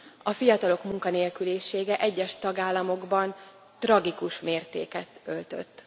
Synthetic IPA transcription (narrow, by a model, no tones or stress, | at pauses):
ɒfijɒt̪ɒlo̞kmuŋkɒneːlkyleːʃeːɡɛʔɛɟːɛʃt̪ɒɡaːlːɒmo̞ɡbɒn | t̪rɒɡikuʃmeːrt̪ḛːkɛt̪ølt̪ø̰t̪ː